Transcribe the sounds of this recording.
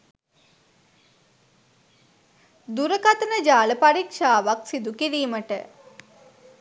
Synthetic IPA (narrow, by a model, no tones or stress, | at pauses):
d̪uɾəkat̪ənəd͡ʒaːləpaɾikʂaːʋaksid̪ukiɾiːməʈə